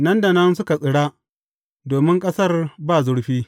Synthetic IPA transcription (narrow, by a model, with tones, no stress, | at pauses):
nɐ˦nda˨nɐ˦nsʊ˦ka˨sʼɪ˨ɽaː˦ | doː˨mɪ˦ŋkʼɐ˦sɐ˦˨rbaː˦˨zʊ˦ɽɸiː˦